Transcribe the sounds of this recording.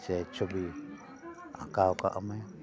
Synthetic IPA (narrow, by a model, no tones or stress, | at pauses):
t͡ʃet͡ʃoβi | ã̰kaoka̰ʔa̰mẽ